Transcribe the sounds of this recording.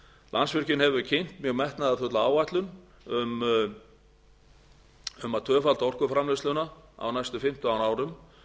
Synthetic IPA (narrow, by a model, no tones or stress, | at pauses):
lʔa̰nsvɪr̥cɪnhɛvʏcʰejn̥t̪mjœɣmɛht̪naðaθʏt̪laaːwvajt̪lʏn | ʏm | ʏmat̪ʰœːfalt̪ɔr̥kʏfɾamlɪslʏnaa̰wnajst̪ʏfɪm̥t̪ʏawnaːwɾʏm